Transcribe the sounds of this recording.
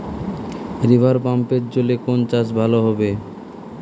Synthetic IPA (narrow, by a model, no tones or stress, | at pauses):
ɾibʱaɾpampeɾt͡ɕolekont͡ɕaʃ̬bʱaloɦɔbe